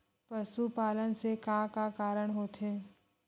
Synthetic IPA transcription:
pəsupaːlənsekãːkakaːɾəɽ̃ɦoːt̪ʰeː

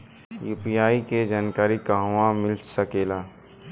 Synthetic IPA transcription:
juːpijaːiked͡ʒaːnkaːɾikaːɦãmɪlsəkeːlaː

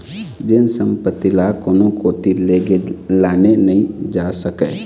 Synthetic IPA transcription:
d͡ʒɪnsə̃mpət̪ːilakonõkot̪ileːɡelaːnenɐɦĩd͡ʒaːsəkɛː

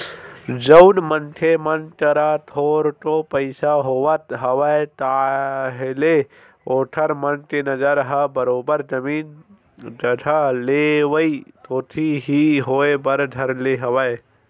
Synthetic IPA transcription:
d͡ʒəʊnmənʈʰemənʈəɾat̪ʰoːɾʈopəɪsaɦowət̪ɦəʋəet̪aɦele | oːʈʰəɾmənʈenəd͡ʒəɾɦəbəɾoːbəɾd͡ʒəmiːn | d͡ʒəʈʰaleʋəit̪oːt̪ʰiɦiɦoebəɾd̪ʱəɾleɦəʋəe

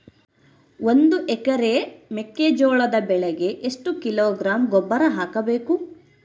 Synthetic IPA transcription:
ond̪uʔɛkɐɾemekːed͡ʒoːɭɐd̪ɐbɛɭɛɡe̞ʔeʂʈukiloːɡɾaːmɡɔbːɐɾɐɦaːkɐbeːku

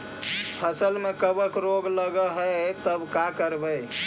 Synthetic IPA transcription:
pʰəsəlmekəbəkɾoɡləɡəɦət̪əbkakəɾbəj

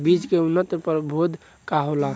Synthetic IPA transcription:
bid͡ʒkeunːət̪əpəɾbʱod̪ʱ | kaɦola

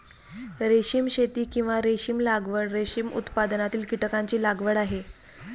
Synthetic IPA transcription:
ɾeɕimɕet̪iːkĩw̃ʋaɾeɕiːmlaɡʋəɽɾeɕimṵt̪pad̪ənat̪iːlkiʈəkaɲt͡ɕiːlaɡʋəɽaɦe

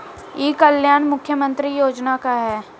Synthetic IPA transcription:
jeːkəljaːnmʊkʰːjəmə̃nt̪ɾijoːd͡ʒnakaɦɛː

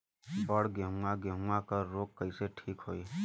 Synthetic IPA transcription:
bəɽɡeɦʊ̃aɡeɦũakəɾoːkːəiseʈʰiːkɦoːiː

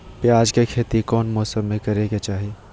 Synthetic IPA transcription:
pjaːd͡ʒkekʰeːt̪ikɔːnmɔːsəmːẽkɐɾeɡet͡ʃaːɦieː

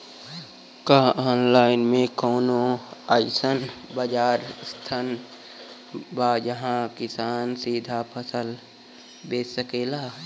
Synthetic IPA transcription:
kaːʔɔːnlaːɪnmẽkoːnoaɪsənbəd͡ʒaːɾst̪ʰan | baːjəɦãkɪsaːnsiːd̪ʱapʰəsəl | beːsəkeːlaː

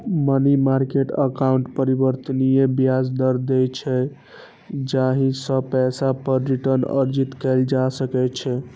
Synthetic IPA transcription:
mənimaɾkeʈə̰kauɳʈpəɾibəɾt̪ənijebijad͡ʒd̪əɾd̪ɛt͡ʃʰɛ | d͡ʒaɦĩsəpɛsapəɾːiʈəɾnə̰ɾd͡ʒit̪kɛld͡ʒasəkɛt͡ʃʰɛ

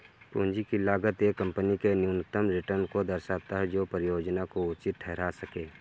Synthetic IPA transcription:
puːnd͡ʒikilaːɡət̪ekə̃mpənikenjuːnət̪ːəmɾɪʈəɾnkod̪əɾʃaːt̪aɦɛd͡ʒoːpɾəjoːd͡ʒnakoʊt͡ʃɪt̪̚ʈʰɛɦɾasəkeː

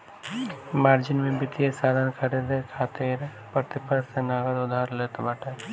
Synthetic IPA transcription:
maːɾd͡ʒɪnmẽbɪt̪iesaːd̪ankʰɐɾed̪ekʰaːt̪iːɾ | pɾət̪ɪpəsenaːɡəd̪ʊd̪ʱaːɾlet̪ɐbaʈe

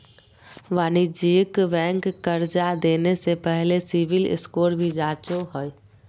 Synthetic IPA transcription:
ʋaːnid͡ʒiːkʋɛ̃ːŋkːəɾd͡ʒad̪eːnesepɛɦlesiʋɪlɪ̰skoːɾbʱid͡ʒaːt͡ʃoɦoj

